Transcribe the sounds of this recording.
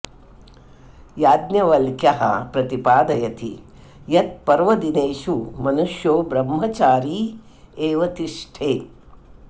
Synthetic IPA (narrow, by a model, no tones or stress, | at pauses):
jaːd̪njɐʋɐlkjɐɦɐ̰pɾɐt̪ipaːd̪ɐjɐt̪ḭ | jɐt̪̚pɐɾʋɐd̪ineːʂumɐnuʂjoːbɾɐmːɐt͡ʃaːɾiː | eːʋɐt̪iʂʈʰeː